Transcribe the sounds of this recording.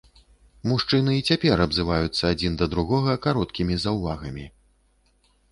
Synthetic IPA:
muʂt͡ʂɨnɨit͡sʲapʲɛɾɐbzɨvajut̪sːɐad͡zʲind̪ɐd̪ɾuɣɔɣɐkaɾɔt̪kʲimʲizɐwvaɣɐmʲi

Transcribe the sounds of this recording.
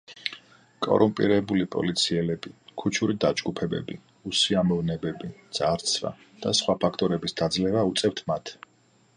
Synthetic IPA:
kʼɔ̰ɾumpʼḭɾɛbulipʼɔ̰lit̪sʰiɛlɛbikʰut͡ʃʰuɾid̪ad͡ʒɡupʰɛbɛ̰bi | usiamɔvnɛbɛbid̪z̥aɾt̪sʰva̰ | d̪̥asχwapʰakʰt̪ʼɔɾɛbisd̪̥ad̪zlɛvaut̪sʼɛft̪ʰmat̪ʰ

